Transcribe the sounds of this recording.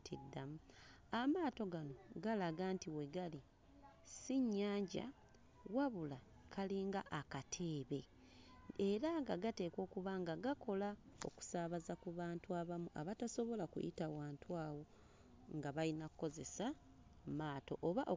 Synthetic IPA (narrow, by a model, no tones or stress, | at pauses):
tʰidːamuamaːto̞ɡano̞ɡalaɡantiwe̞ɡali | siɲːaːɲɟa̰ | waβula | kʰaliːŋɡaʔːkatʰe̞ːβe̞ | eɾaŋɡaɡate̞ːko̞ːkuβaŋɡaɡako̞lao̰ku̥saːβazakuβaːntuaβamuʔa̰βataso̞βo̞lakṵjḭtawaːntwaːwo̞ | ŋɡaβalinakuko̞ze̞sa | maːto̞ʔoβaʔo